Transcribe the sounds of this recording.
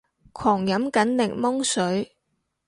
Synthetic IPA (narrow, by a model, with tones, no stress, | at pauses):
kʰɔː˨˩ŋjɐ˨˥mkɐ˨˥nlɪ˨˩ŋmɔ˥ŋsɵ˨˥ɥ